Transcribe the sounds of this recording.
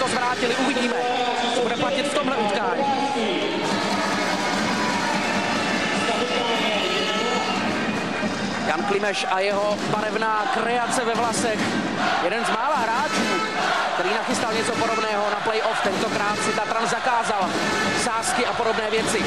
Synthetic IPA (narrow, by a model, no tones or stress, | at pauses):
t̪ozvɾaːcɪlɪʔuvɪɟiːmɛ | sɛbudɛplacɪt̪ft̪omɦlɛʔut̪kaːɲiː | janklɪmɛʃʔajɛɦo̞ | baɾɛvnaːkɾɛat͡sɛvɛvlasɛx | jɛdɛnzmaːlaɦɾaːt͡ʃuː | kt̪ɛɾiːnaxɪst̪alɲɛt͡sopodobnɛːɦonaplɛjʔoft̪ɛnt̪okɾaːt̪sɪt̪at̪ɾanzakaːzal | saːskɪapodo̞bnɛːvjɛt͡sɪ